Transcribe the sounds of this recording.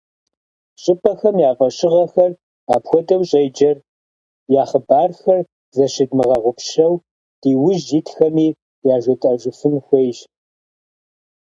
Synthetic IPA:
ɕʼɪpʰʼɐxɐmjaːvɐɕʼɪʁɐxɐr | aːpxʷɔdɐwɕʼejd͡ʒɐr | jaːχəbaːrxɐr | zɐʃɪdmɨʁɐʁʷʊpʰʃɐw | d̥iːwʊʒitʰxɐmiː | jaːʒʷʊtʼɐʒʷɪfɨnxʷejʒ

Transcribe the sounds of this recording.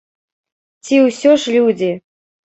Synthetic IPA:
t͡sʲiwsʲɔʂlʲud͡zʲi

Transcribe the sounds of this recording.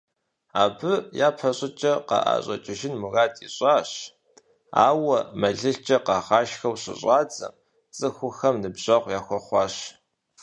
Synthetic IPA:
aːbɨjaːpħɐɕʼɪt͡ʃʼɐqɑ̰ʔa̰ːɕʼɐt͡ʃʼɪʒɪnmuraːtʰʼiɕʼɑːɕ | a̰ːwɐmɐɮɨɬt͡ʃʼɐqɑːχɑːʃxɐwɕɪ̰ɕʼɑːt͡sʼɐ̰m | t͡sʼɨxʷʊxɐmnɨbʑɐqʷjaːxʷɔχʷɑːɕ

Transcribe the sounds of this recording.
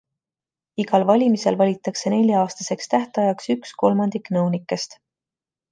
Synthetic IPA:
iɡɑlvɑlʲimise̞lvɑlʲit̪ːˑɑkse̞ne̞lʲjɑɑːst̪ɑse̞kst̪æht̪eɑjɑksyksko̞lmɑnd̪̥ikˑnɤwnikːˑe̞st̪

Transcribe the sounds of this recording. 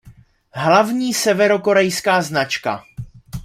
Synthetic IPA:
ɦlavɲiːsɛvɛɾo̞ko̞ɾɛjskaːznat͡ʃka̰

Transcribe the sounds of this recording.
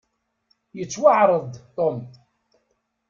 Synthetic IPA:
jət͡sːwaʕɾˤəðˤt̪ːom

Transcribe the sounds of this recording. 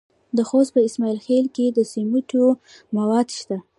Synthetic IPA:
d̪əxost̪̚pəɪsmɑilxelked̪əsimuʈo | mawɑd̪ʃt̪a

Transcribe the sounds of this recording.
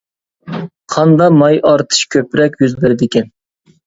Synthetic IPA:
qʰɑnd̪ɑmɑjʔɑɾt̪ʰɨ̥ʃkʲʰøpɾɛkʲjyzbɪɾɪd̪ɪkʲɛn

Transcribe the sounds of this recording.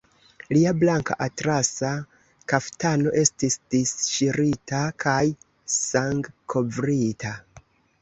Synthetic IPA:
liablaŋka̰ʔatɾasa | kaftano̞ʔe̞stisd̥isʃiɾitakʰaj | saŋɡkʰo̞vɾitʰa

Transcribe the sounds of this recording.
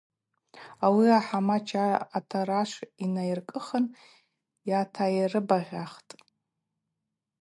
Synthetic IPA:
awiaħamat͡ʃʰaːtʰaɾaʂʷinajirkʼɨχən | jatʰajirɨbaʁʲaχtʼ

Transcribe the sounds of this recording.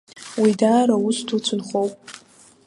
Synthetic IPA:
widaːɾaustʰut͡sʷʰʊnχowpʼ

